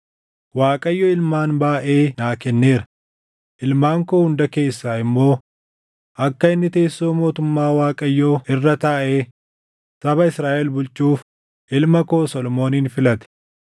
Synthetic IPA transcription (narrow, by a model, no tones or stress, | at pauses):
waːkʼɐjːoːɪlmaːnbaːʔe̞ːnaːkɛnːeːɾɐ̥ | ʔɪlmaːŋkoːhʊnd̪ɐke̞ːsːaːɪmːo̞ː | ʔɐkːɐɪnːɪt̪e̞ːsːo̞ːmo̞ːt̪ʊmːaːwaːkʼɐjːoːɪrːɐt̪aːʔeː | t̪ɐbɐɪsɾaːʔɛlbʊlt͡ʃʼuːf | ʔɪlmɐkoːsɔlɔmo̞ːniːnfɪlɐt̪ɛ̥